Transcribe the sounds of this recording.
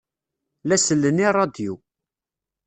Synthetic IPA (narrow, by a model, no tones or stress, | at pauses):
læsəlːənirˤːɑd̪ju